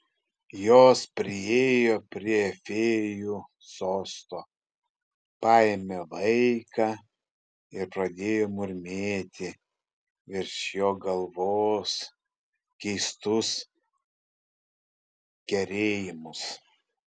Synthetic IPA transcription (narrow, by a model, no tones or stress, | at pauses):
joːspʲɾʲɪeːjoːpʲɾʲiɛfʲeːjuː | soːst̪oː | pɑːjɛmʲelˠɐɪkɑː | ɪɾpɾɐd̪ʲeːjoːmʊɾʲmʲeːt̪ʲɪ | ɪɾʃjoːɡɐlˠʋoːs | kʲɛɪst̪ʊs | kʲɛɾʲeːjɪmʊs